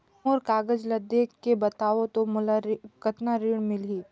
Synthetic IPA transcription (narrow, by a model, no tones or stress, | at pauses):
oɾkaːɡəd͡ʒlɐd̪ekkːebɐt̪aːʋot̪omʊlaɾkɐt̪naɾiːɽmɪliː